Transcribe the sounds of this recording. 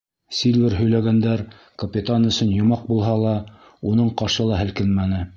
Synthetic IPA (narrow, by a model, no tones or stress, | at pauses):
sʲilʲvʲɘɾɦɵ̆jlæɡænd̪æɾ | kɐpʲit̪anɵ̆sɵnjŏmɑq̚bulˠɦɑlˠɑ | unɤɴqɑʃɤlˠɑɦæ̆lkɘnmænɘ